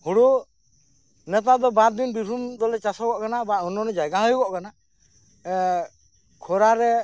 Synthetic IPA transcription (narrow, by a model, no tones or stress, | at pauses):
huɽu | nɛt̪̬aʔd̪ɔbaɾ̚d̪inbibʱumd̪ɔlɛt͡ʃasɔbɔʔkanabaunɔnɛd͡ʒajɡaɦɔjbɔʔkana | kʰɔɾaɾɛ